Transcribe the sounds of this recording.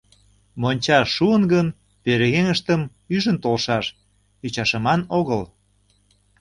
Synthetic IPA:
monʲt͡ɕɑːuənɣən | peɾeɣeŋəʃt̪əm | yʒənt̪olʃɑʃ | it͡ɕɑʃə̆mɑnoɣəl

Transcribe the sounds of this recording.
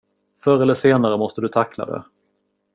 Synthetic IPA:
fœɾɛlːəʂeːnaɾəmɔst̪əd̪ɵt̪ʰakːla̰d̪ɛ̰

